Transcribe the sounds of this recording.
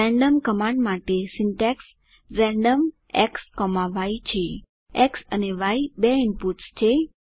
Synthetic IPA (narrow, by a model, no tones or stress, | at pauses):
ɛ̃ɳɖəmkəmãɳɖmaʈesiɳʈɛks | ɾɛ̃ɳɖəm | ɛ̰kskɔmaʋait͡ʃʰe | eksəneʋaibeimpuʈst͡ʃʰe